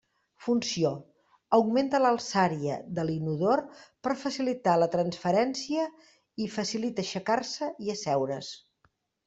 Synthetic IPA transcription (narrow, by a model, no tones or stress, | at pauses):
funsio | əwɡment̪ələlˠsaɾiə̰ðəlinuðorpəɾfəsilit̪alət̪ɾənsfəɾɛnsiə | ifəsilit̪əʃəkarsəiəsɛwɾəs